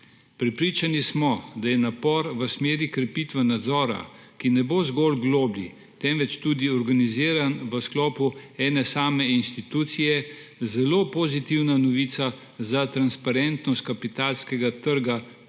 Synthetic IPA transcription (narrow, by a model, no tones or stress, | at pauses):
pɾɛpɾiːt͡ʃanismɔd̪ajɛnapɔɾʋəsmeːɾikɾɛpiːt̪ʋɛnad̪zɔːɾa̰ | kinɛbozɡɔlɡloːblḭ | t̪ɛmʋɛt͡ʃt̪ud̪iɔɾɡaniziːɾanʋəsklɔːpuɛːnɛsaːmɛinst̪it̪uːt̪sijɛ | zɛlopɔzit̪iwnanɔʋiːt̪sa | zat̪ɾanspaɾɛnt̪nɔst̪kapit̪aːlskɛɡat̪əɾɡa